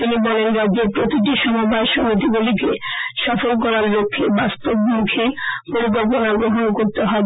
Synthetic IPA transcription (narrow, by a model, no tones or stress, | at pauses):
t̪inibɔlenɾadːd͡ʑeɾpɾot̪iʈ̬iʃɔmobʱaeʃɔmot̪ibulikeʃɔfolk̬ɔɾaɾlokʰːebast̪ob̚mukʰepoɾikɔlp̬onaɡɾoɦonkoɾt̪eɦɔe